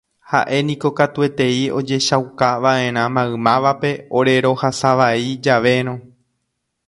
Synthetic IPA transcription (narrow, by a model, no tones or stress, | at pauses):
ha̰ʔe̞nĩko̞kat̪ue̞t̪e̞io̞d͡ʒe̞ʃawkaʋaẽ̞ɾ̃ãmãɨ̃mãʋape̞o̞ɾe̞ɾo̞hasaʋaid͡ʒaʋe̞ɾ̃õ̞